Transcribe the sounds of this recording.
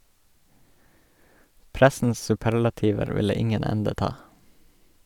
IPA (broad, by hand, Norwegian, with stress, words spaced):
ˈpɾæsn̩s sʉˈpæɾlɑtiːʋəɾ ˈʋɪlə ˈɪŋən ˈɛndə ˈtɑː